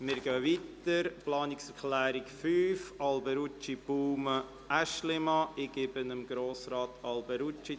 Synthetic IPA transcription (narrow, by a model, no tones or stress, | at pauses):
mɪːɾɡøːʋit̪əɾplɑːnɪksəɾχlæːɾɪkfyːfɑlbəɾut͡ʃibuːmə | ʔæʃlɪmɑɪɡ̥ɪbənəmɡɾoːsɾɑːt̪ɑlbəɾut͡ʃi